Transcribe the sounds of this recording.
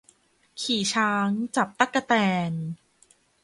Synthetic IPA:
kʰiː˨˩t͡ɕʰaː˦˥ŋt͡ɕa˨˩p̚t̪a˦˥˩kːa˧t̪ɛː˧n

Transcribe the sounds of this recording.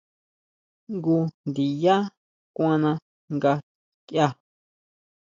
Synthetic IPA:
ŋɡu˧nd̪i˨ja˦ | kʷã˦nã˧ | ŋɡa˧ | kja˧

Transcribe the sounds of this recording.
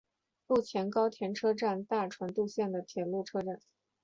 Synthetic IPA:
lu˥˩t͡ɕʰjɛ˧˥nkɑ˥ʊt̪ʰjɛ˧˥nʈ͡ʂʰɤ˥ʈ͡ʂa˥˧nt̪a˥˩ʈ͡ʂʰwa˧˥nt̪u˥˧ɕjɛ˥˩nd̪ə˩t̪ʰjɛ˨˩lu˥˩ʈ͡ʂʰɤ˥ʈ͡ʂa˥˩n

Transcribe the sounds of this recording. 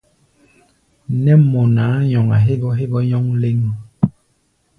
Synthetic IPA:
nɛ˦mɔ˨naː˨˦ɲɔ˨ŋa̰˨ɦe˦ɡɔ˦ɦe˦bɔ˦ɲɔ˦ŋle˦ŋ˨

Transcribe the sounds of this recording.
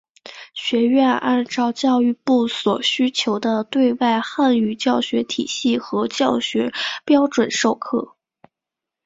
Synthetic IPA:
ɕɥɛ˧˥ɥɛ˥˧na˥˧nʈ͡ʂɑ˥˧ʊt͡ɕjɑ˥˧ʊy˥˧pu˥˩swɔ˨˩ɕy˥t͡ɕʰjo˧˥ʊd̪ə˧t̪we˥˧ɪwa˥˧ɪxa˥˩ny˥˩t͡ɕjɑ˥˩ʊɕɥɛ˧˥t̪ʰi˨˩ɕi˥˩xɤ˧˥t͡ɕjɑ˥˩ʊɕɥɛ˧˥pjɑ˥ʊʈ͡ʂwə˨˩nʂo˥˧ʊkʰɤ˥˩

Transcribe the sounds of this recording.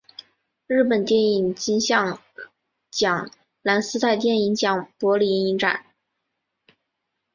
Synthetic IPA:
ɻɻ̩˥˩pə˨˩nt̪jɛ˥˩ni˨˩ŋt͡ɕi˥ŋɕjɑ˥˧ŋ | t͡ɕjɑ˨˩ŋ | la˧˥nsɹ̩˥t̪ʰa˥˧ɪt̪jɛ˥˩ni˧˥ŋt͡ɕjɑ˨˩ŋpwɔ˧˥li˧˥i˥ŋi˧˥ŋʈ͡ʂa̰˨˩˦n

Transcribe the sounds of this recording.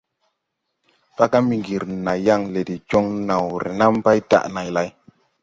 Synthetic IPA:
fa˦ka˦mi˨ŋɡi˨ɾna˨ja˦ŋle˨ti˨t͡ʃo˦ŋna˨wɾḛ˨na˦m˦pa˦jta̰˦˨ʔna˨jla˨j

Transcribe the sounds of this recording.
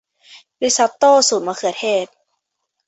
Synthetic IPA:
li˦˥sa˧˦˥tt̪ːoː˥˩˨suː˨˩nmaː˧kʰɯ˨˩ət̪̚ʰeː˥˩t̪̚

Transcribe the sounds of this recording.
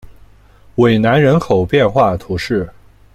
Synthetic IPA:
we˨˩ɪna˧˥nɻə˧˥nkʰo˨˩ʊpjɛ˥˧nxwa˥˩t̪ʰu˧˥ʂɻ̩˥˩

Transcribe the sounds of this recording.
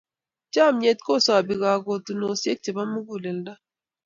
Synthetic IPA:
t͡ʃa˦˨m˦ɲe˨tko˦˨sa˨bi˨ɣa˨ɡo˨tu˨no˨sje˦k̚t͡ʃe˨ba˦mː˦u˦ɡu˦˨le˨n̩˨˦da˦

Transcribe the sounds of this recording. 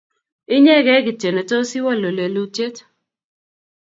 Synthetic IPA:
ɪ˦ɲɛ˦ɡɛ˦ɡɪ˨te˨ne˨to˦sɪ˦wɔ˦˨lo˨le˨lu˦te˦t

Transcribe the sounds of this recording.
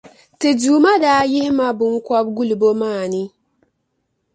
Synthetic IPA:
tɪ˨duː˨˦ma˦daː˨˦jɪ˦hɪ˦ma˦bʊ˨ŋ̩˦kʷa˦b̚ɡu˦li˨bo˦maː˦˨nɪ˦

